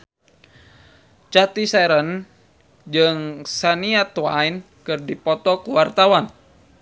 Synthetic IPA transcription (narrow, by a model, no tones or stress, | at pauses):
t͡ʃat̪isɛɾən | d͡ʒɨŋsaniat̪wain | kɨrdipɔt̪ɔkuwart̪awan